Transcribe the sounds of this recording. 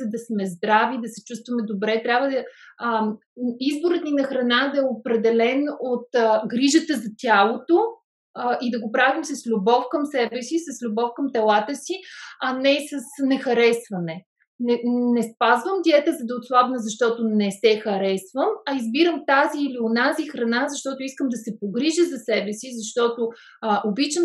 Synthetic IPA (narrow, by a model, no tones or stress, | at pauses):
zɐd̪ɐsmɛzd̪ɾavid̪ɐsɛ̥t͡ʃust̪vɐmɛd̪obɾɛt̪ɾʲabvəd̪ə | izboɾət̪ninɐxɾɐnad̪ɐɛopɾɛd̪ɛlɛnot̪ɡɾiʒət̪əzɐt̪ʲalˠot̪o | id̪ɐɡopɾavimsɐslʲubɔfkəmsɛbɛsisɐslʲubɔfkɐmt̪ɛlˠat̪əsiɐnɛsəsnɛxɐɾɛsvɐnɛ | nɛnɛspazvəmd̪iɛt̪ɛzɐd̪ɐot̪slˠavnəzɐʃt̪ɔt̪ʊnɛsɛxɐɾɛsvəmɐizbiɾəmt̪aziːlionazixɾɐnazɐʃt̪ɔt̪ʊiskəmd̪ɐsɛpoɡɾiʒəzɐsɛbɛsizɐʃt̪ɔt̪ʊ | ʔobit͡ʃəm